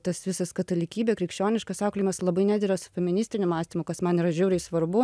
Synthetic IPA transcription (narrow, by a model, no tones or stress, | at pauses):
t̪ɐsʋʲɪsɐskɐt̪ɐlʲɪkʲiːbʲɛkɾʲɪkʃʲt͡ʃʲoːnʲɪʃkɐsɑːklʲɪmɐslˠɐbɐɪnʲæd̪ʲɪɾɐsʊ̥fʲɛmʲɪnʲɪsʲt̪ʲɪnʲʊmɑːsʲt̪ʲiːmʊkɐsmɐniːɾɐʒʲuːɾʲɪsʋɐɾbʊ